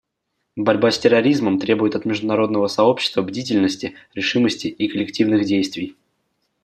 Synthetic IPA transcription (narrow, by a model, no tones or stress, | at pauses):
bɐɾʲbasʲtʲɪrɐɾʲizməmt̪ɾʲe̞bʊjɪt̪ɐt̪mʲɪʐd̪ʊnɐɾo̞d̪nəvəsɐo̞pɕːɪ̥st̪vəbdʲitʲɪlʲnəsʲtʲɪɾʲɪʂɨməsʲtʲɪːkəlʲɪktʲivnɨxdʲejst̪vʲɪj